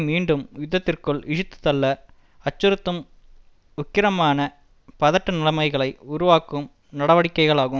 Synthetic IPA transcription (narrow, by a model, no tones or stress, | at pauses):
miːɳɖɯmjʊðːɐt̪ːɪrkɯɭɪʂɯt̪ːɯ̥t̪ːɐlːɐ | ɐt͡ʃːɯɾɯt̪ːɯm | ʊkːɪɾɐmaːnɐ | pɐðɐʈːɐnɪlɐmɐɪɣɐɭɐɪʊɾʊʋaːkːɯm | nɐɽɐʋɐɽɪkːɐɪɣɐɭaːɣɯm